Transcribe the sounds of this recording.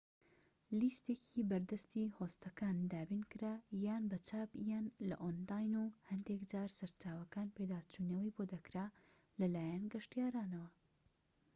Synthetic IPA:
list̪eːcʰibɐɾd̪ɐst̪ihoːst̪ɐkaːnd̪aːbinkɨɾajaːnbɐt͡ʃʰaːbjaːnlɐ̰ʔonlaːjnuhɐnd̪ekd͡ʒaːɾsɐɾt͡ʃaːwɐkaːnpejd̪aːt͡ʃunɐwɐjbod̪ɐkɾaː | lɐlaːjanɡɐʃtijaːɾaːnɐwɐ

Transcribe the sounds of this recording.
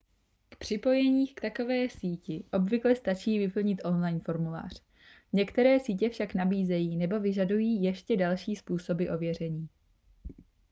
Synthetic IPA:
kpr̥ɪpo̞jɛɲiːkt̪ako̞vɛːsiːcɪʔo̞bvɪklɛst̪at͡ʃiːvɪpl̩ɲɪt̪ʔo̞nlajnfo̞ɾmula̰ːr̝̥ | ɲɛkt̪ɛɾɛːsiːcɛfʃaknabiːzɛjiːnɛbo̞vɪʒadujiːjɛʃcɛdalʃiːspuːso̞bɪʔo̞vjɛr̝ɛɲiː

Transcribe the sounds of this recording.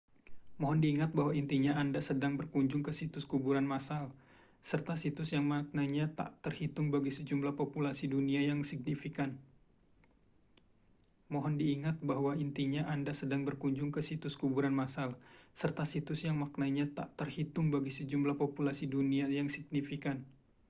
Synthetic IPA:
moɦɔndiːŋat̪̚bahwaint̪iɲaːndasədaŋbərkuɲd͡ʒʊŋkəsit̪ʊskubuɾanmasal | sərt̪asit̪ʊsjaŋmak̚naɲat̪a̰ʔt̪ərhit̪ʊŋbaɡisəd͡ʒumblahpopulasiduniajaŋsiɡ̚nifikan | moɦɔndiːŋat̪̚baɦwaint̪iɲaʔandasədaŋbərkuɲd͡ʒʊŋkəsit̪ʊskubuɾanmasalsərt̪asit̪ʊsjaŋmaknaɲat̪a̰ʔt̪ərhit̪ʊŋbaɡisəd͡ʒumlahpopulasiduniajaŋsiɡ̚nifikan

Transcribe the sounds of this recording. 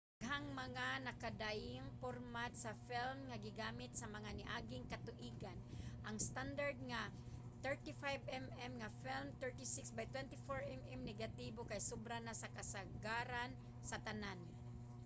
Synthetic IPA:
ɡɦaŋmɐŋanɐkad̪ajɪŋpoɾmat̪sɐfilmŋaɡɪɡaːmɪt̪sɐmɐŋanɪʔaɡɪŋkɐt̪ʊʔiːɡanʔaŋst̪and̪aɹd̪̚ŋa | t̪ɛɹt̪ifajvɛmɛmŋafilmt̪ɛɹt̪isɪksbajt̪wɛnt̪ifoɹʔɛmɛmnɛɡat̪ibokajsobɾanasakasaɡaɾan | sɐt̪anan

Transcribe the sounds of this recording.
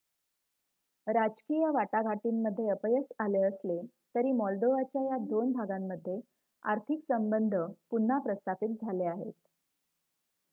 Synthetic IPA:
ɾad͡ʑkijəʋaʈaɡʱaʈiːmːəd̪ʱːjeəpəjəsaleəsle | t̪əɾiːmɔld̪oʋat͡ɕjajad̪onbʱaɡamːəd̪ʱːje | a̰ɾt̪ʰiksəmbənd̪ʱəpun̤ːapɾəst̪afiːt̪̚d͡zʱaleaɦḛt̪̚

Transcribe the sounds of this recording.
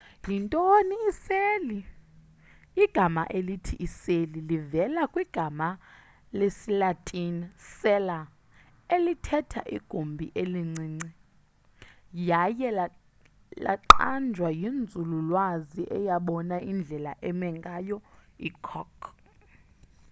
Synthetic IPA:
jintʼoniːseli | ɡ̥ʱama̰ʔelitʰiʔiselilivɛlakʼwiɡ̥ʱama | lesilatʼinsɛla | elitʰɛtʰa̰ʔḭɡ̥ʱumbʱiʔeliŋ͡ǀiːŋ͡ǀi | jajɛla | la̰ǃand͡ʒʱwajind͡zʱululwaziʔɛ̰jaɓɔnaind͡ɮʱɛla̰ʔɛmɛŋɡʼajɔḭkʰɔkʰ

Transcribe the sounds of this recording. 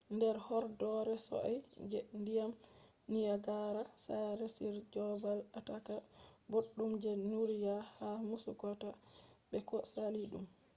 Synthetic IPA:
ndɛɾhɔɾdɔɾɛsɔ̰ʔajd͡ʒɛndijam | nijaɡaɾasaɾesiɾd͡ʒɔbalatakaboɗːumd͡ʒɛnuɾijahamusṵkɔtaɓɛkɔsaliɗṵm

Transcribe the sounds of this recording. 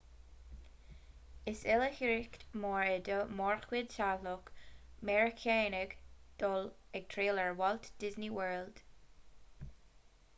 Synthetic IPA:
ɪsɪləhɪɹɪktmɔɹɛd̪əmɔɹxwɪdʃalʊkmɛɹɪkʰeːnɪɡd̪̥ɔlɛɡ̚t̪ʰɹeːləɹwɔlt̪d̥ɪzniwəɹld̪̥

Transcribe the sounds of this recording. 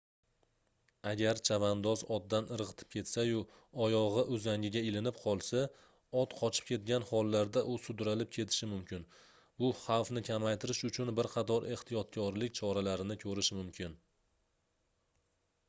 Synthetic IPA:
aɡʲaɾt͡ʃʰavand̪ɒzɒd̪ːanɨɾʁɨt̪ʰɪ̥p̚kʲʰe̞t̪sajʊ | ɒjɒʁɨʔʊzaŋʲɪɡʲaɪlɪnɪpqʰɒlˠsa | ɒt̪qʰɒt͡ʃʰɪ̥p̚kʲʰe̞t̪̚ɡʲanχɒlˠːaɾd̪aʔʊsʊd̪ɾalɪp̚kʲʰe̞t̪ʰɪ̥ʃɪmʊmkʲɪn | bʊχɑwfnɪkʲʰamajt̪ʰɪɾɪʃʊt͡ʃʰʊnbɪɾqʰɑt̪ʰɒɾʔe̞ht̪ʰijɒt̪̚kʲʰɒɾlɪk̚ʲt͡ʃʰɒɾalaɾɪnɪkʲʰɵɾɪʃmʊmkʲʰɪn

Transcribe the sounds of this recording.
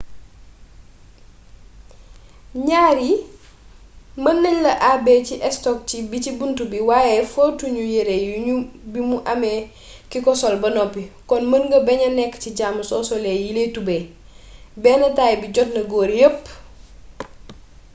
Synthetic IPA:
ɲaːɾi | mɐnːɐɲlɐʔabɛːciʔɛstɔk̚cibicibuntubiwaːjɛfotuɲujeɾejubimuʔamɛ | kikɔsɔlbɐnɔpːikɔnmɐnɡɐbɛɲɐnɛkːciɟaːmsɔsɔlejiletube | bɛːnɐtaːjbiɟɔtnɐɡoːɾjəpː

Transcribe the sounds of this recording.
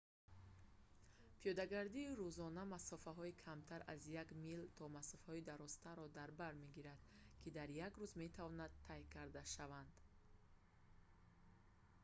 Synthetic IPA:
pʰijɔd̪aɡaɾd̪iːɾuzɔnamasɔfaɦɔikʰamt̪ʰaɾazjaɡmilt̪ʰɔmasɔfhɔid̪aɾɔst̪aɾɔd̪aɾbaɾme̞ɡiɾad̪̥kʰid̪aɾjaɡɾuzme̞t̪ʰavɔnad̪ʰajkʰaɾd̪aʃavand̪

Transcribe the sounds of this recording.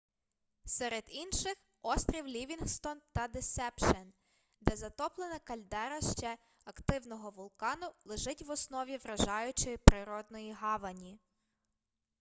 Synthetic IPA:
sɛɾed̪inʃɪx | ɔst̪ɾʲiwlʲiʋʲinhst̪ɔnt̪ɐd̪ɪsɛpʃɐn | d̪ɛzɐt̪ɔplˠenɐkɐlʲd̪ɛɾɐʃt͡ʃɛ | ɐkt̪ɪwnɔɦɔʋʊlˠkɑnʊlˠeʒɪtʲʋɔsnɔʋʲiʋɾɐʒɑjʊt͡ʃɪpɾɪɾɔd̪nɔjiɦɑʋɐnʲi

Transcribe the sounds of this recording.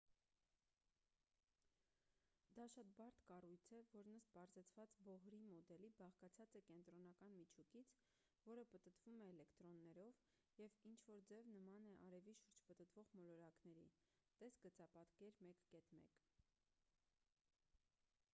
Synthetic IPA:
d̪ɑʃɑt̪̚bɑɾt̪kɑrujt͡sʰɛvɔɾnəst̪pɑɾzɛt͡sʰvɑt͡sbɔɦɾimɔd̪ɛlibɑχkɑt͡sʰɑt͡sɛkɛnt̪ɾɔnɑkɑnmit͡ʃʰukit͡sʰ | vɔɾəpət̪ət̪vumɛːlɛkt̪ɾɔnːɛɾɔv | jɛvint͡ʃʰvɔɾd͡zɛvnəmɑnɛʔɑɾɛviʃuɾd͡ʒpət̪ət̪vɔʁmɔlɔɾɑknɛɾḭ | t̪ɛsɡət͡sɑpɑt̪kɛɾmɛkkɛt̪mɛ̰k

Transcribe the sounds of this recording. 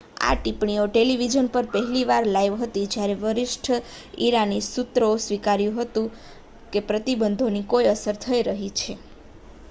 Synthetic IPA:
a̰ʈipɳioʈeliʋid͡ʒənpəɾpəɦɛliʋaɾlajʋɦət̪id͡ʒjaɾeʋəɾɪʃʈʰəiɾanisut̪ɾəosʋikaɾjũɦət̪ũ | kepɾət̪ibənd̪ʱonikojəsəɾt̪ʰəiɾəɦit͡ʃʰe

